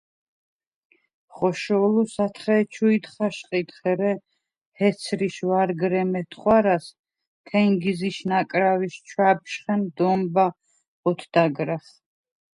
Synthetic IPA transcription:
χɔʃɔlusat̪ʰχɛt͡ʃʰuit̪χaʃqʼit̪χɛɾɛ | hɛt̪sʰɾiʃvaɾɡɾɛmɛt̪ʰχwaɾas | t̪ʰɛŋɡiziʃnakʼɾaviʃt͡ʃʰwap̚ʃχɛnd̪ɔmba | ɔt̪ʰd̪̥aɡɾaχ

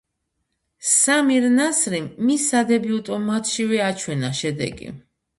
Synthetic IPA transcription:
samiɾnasɾiːisːad̪ɛbiut̪ʼɔmat̪ʰʃivɛat͡ʃʰwɛnaʃɛd̪ɛ̰ɡḭ

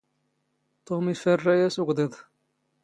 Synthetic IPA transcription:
t̪ˤomifərːæjæsuɡd̪ˤeðˤ

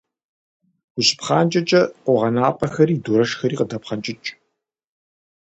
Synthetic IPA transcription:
ʊɕpχaːnt͡ʃʼɐt͡ʃʼɐqʷɔʁɐnaːpʼɐxɐɾiːduɾɐʂxɐɾiːqədɐpχɐnt͡ʃʼɪt͡ʃʼ

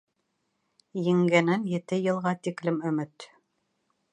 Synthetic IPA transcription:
jɘ̆ŋɡænænjɘ̆t̪ɘjɤ̆lˠʁɑt̪iklɘmɵ̆mɘt̪

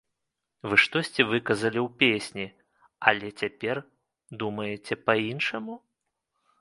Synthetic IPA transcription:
vɨʂt̪ɔsʲt͡sʲɛvɨkɐzɐlʲiwpʲesʲnʲi | ɐlʲɛt͡sʲapʲɛr | d̪umɐjɛt͡sʲɛpɐinʂɐmu

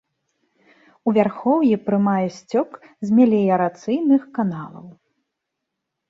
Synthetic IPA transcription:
uvʲarxɔwjipɾɨmajɛsʲt͡sʲɔkzʲmʲɛlʲɛjɐɾat̪sɨjnɨxkanalˠɐ̰w

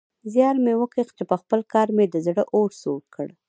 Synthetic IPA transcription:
zjɑɾmewəkext͡ʃepəxpəlkɑɾmed̪əzɽəʔoɾsoɾkʰəɽ

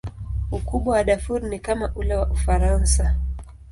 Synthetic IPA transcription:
ukuɓwawaɗafuɾnikamaʔulawaʔufaɾansa

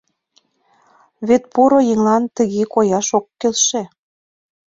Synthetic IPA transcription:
βet̪̚puɾojə̆ŋɑnt̪ə̆ɣekojɑʃokːelʃĕ

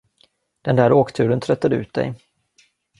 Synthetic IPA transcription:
d̪̥ɛnd̪æːɾoːkt̪ʰʉ̟ːɾənt̪ʰɾœt̪ːad̪əʉ̟ːt̪̚d̪ɛ̰j

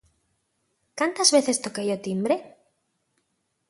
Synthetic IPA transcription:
kant̪azβeθest̪okejot̪imbɾe

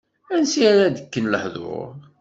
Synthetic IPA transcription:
ænsiaɾæd̪əkːənləħðʊ̰ɾ

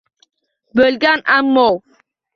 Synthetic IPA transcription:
bəlɡanʔamːɔw

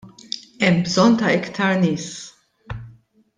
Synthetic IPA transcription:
ɛmbzɔnt̪ɐɪkt̪ʰɐɾnɪːs

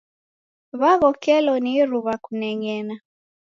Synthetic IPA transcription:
βaɣɔkɛlɔniɾuβakunɛŋɡɛna

